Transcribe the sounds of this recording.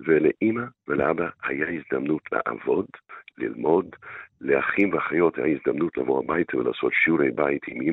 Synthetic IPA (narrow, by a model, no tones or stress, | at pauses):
veleʔimaveleʔabaha̰jaizd̪amnutʰlḛʔa̰vo̞dlḭlmo̞dleaχimveaχajo̞thajaizd̪amnutlevoabajtvela̰ːso̞tʃuɾejbaitʰimim